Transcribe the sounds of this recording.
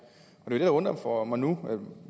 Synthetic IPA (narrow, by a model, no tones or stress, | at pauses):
ɒd̥e̝od̥e̝dɑ̈ɔ̽nd̥ɒmfɒmɑ̈ɪnue